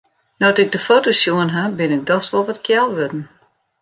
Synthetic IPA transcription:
nɔtɪɡ̚dəfotosjuənɦabɪnɪk̚dɔxsʋɔlˠʋɔtkʰjɛlˠʋødn̩

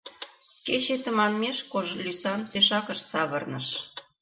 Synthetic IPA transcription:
ket͡ɕet̪ə̆mɑnmeʃkoʒlʲysɑnp̪eʃɑkəʃsɑβərnəʃ

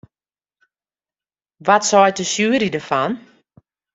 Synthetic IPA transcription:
ʋɔtsɔjt̚əsjyəɾidərfɔn

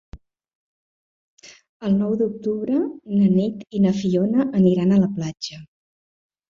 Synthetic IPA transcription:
əlˠnɔwd̪uk̚t̪uβɾənənit̪inəfionəʔəniɾanələplad͡ʒə

